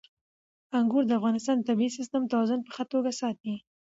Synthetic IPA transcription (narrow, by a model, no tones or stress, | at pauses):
aŋɡuɾd̪əafɣɑnɪst̪ɑnd̪ət̪abiisɪst̪əmt̪awɑzʊnpə̥xət̪oɡasɑt̪̚i